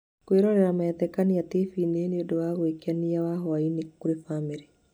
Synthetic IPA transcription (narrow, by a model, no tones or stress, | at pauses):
kweɾɔɾɛɾamaɛtɛkaniatefiːneneodowaɣwekeaniawaɦɔainekuɾefamiɾe